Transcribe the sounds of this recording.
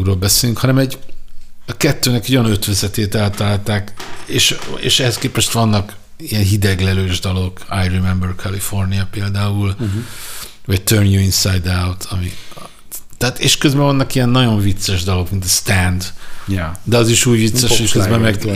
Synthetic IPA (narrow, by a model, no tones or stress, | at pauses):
ɡroːlbɛseːlyŋkhɒnɛmɛɟ | ɒkɛt̪ːøːnɛkɛojnøt̪ʋɛzɛt̪eːt̪ɛlt̪ɒlaːlt̪aːkeːʃḛːʃɛhɛskeːpɛʃt̪ʋɒnːɒk | ijɛnɦid̪ɛɡlɛløːʒd̪ɒlo̞ka̰jrimɛmbørkʰɛlifo̞rniɒpeːld̪aːul | vɒc̚t̪ørnjuinsajd̪awt̪ʰɒmi | t̪ɛːt̪eːʃkøzbɛvɒnːɒkijɛnːɒɟo̞ɱvit̪sɛʒd̪ɒlo̞kmint̪ɛst̪ɛnd̪ | d̪ɛɒziʃuːɟvit̪sːɛʃekøzbɛmmːɛɡɡ